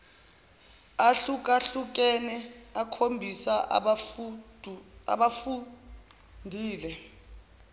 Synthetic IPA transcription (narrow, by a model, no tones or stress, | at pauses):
aɬuk̬ʼaɬuk̬ɛnɛakʰombʱisaʔ | a̰ɓafu | ndʱiːlɛ